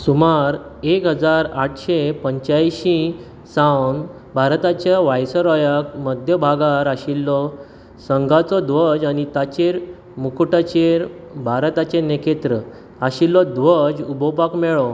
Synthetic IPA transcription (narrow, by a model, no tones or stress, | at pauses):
sumaɾekɦəd͡zaɾaʈʰɕepəɲt͡ɕajɕĩ | sãwn | bʱaɾt̪at͡ɕjaʋajsəɾɔjəkməd̪ʱjəbʱaɡaɾaɕilːɔ | səŋɡat͡sɔd̪ʋəd͡ʑañit̪at͡ɕeɾ | mukʰuʈat͡ɕeɾ | bʱaɾt̪at͡ɕenekʰet̪ɾə | aɕilːɔd̪ʋəd͡ʑubɔpakmɛɭɔ